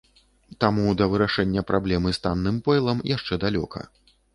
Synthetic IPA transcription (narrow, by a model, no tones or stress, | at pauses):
t̪amud̪ɐvɨɾaʂɛnʲːɐpɾʔablʲɛmɨst̪anːɨmpɛjlˠɐmjaʂt͡ʂɛd̪alʲɔkʰɐ̰